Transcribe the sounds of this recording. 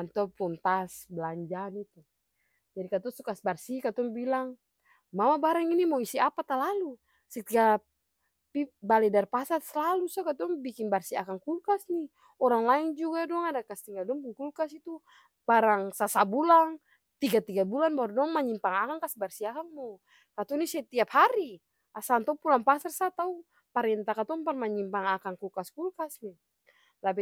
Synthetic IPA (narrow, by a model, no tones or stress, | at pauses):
ant̪ɔpunt̪asbəlaɲd͡ʒanit̪u | d͡ʒadikat̪ɔsɔkasbarsikat̪ɔŋbilaŋ | mamabaɾaŋinimawisiapat̪alalu | sɛt̪ia | pibalɛdarpasat̪səlalusɔkat̪ɔŋbikinbarsia̰kaŋkulkasni | ɔɾaŋlaɛŋd͡ʒuɡadɔŋadakast̪iŋɡaldɔɔŋpuŋkulkasit̪u | b̥aɾaŋsasabulaŋ | t̪iɡat̪iɡabulanbaɾdɔŋmaɲimpaŋakaŋkasbarsiakaŋmɔ | kat̪unisɛt̪iaphaɾi | asant̪ɔupulaŋpasarsat̪au | paɾɛnt̪akat̪uŋparmaɲimpaŋakaŋkulkaskulkasni | lapi